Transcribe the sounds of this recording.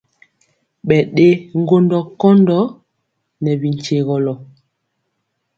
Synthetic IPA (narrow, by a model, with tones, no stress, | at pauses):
ɓɛ˨ɗe˦ŋ̩˦ɡo˦ndɔ˦kɔ˦ndɔ˦ | nɛ˨bi˨ɲ̩˨t͡ʃe˨ɣɔ˨lɔ˨